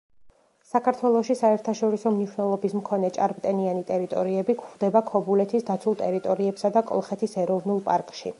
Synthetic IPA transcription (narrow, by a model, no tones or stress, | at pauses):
sakʰaɾt̪ʰwɛlˠɔʃisaɛɾt̪ʰaʃɔɾisɔmniʃwnɛlˠɔbismkʰɔnɛt͡ʃʼaɾpʼt̪ʼɛnianit̪ʼɛɾit̪ʼɔɾiɛbikʰχd̪ɛbakʰɔbulɛt̪ʰisd̪at̪sʰulˠt̪ʼɛɾit̪ʼɔɾiɛpsad̪akʼɔ̰lˠχɛt̪ʰisɛɾɔvnulˠpʼaɾkʼʃḭ